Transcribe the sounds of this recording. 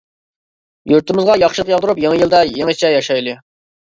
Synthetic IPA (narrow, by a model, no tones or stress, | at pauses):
juɾt̪ɪmɨzʁɑjɑχʃɨlˠəqjɑlˠd̪ʊɾupjeŋɨjilˠd̪ɛjeŋɪt͡ʃʰɛjɑʃɑjlˠɨ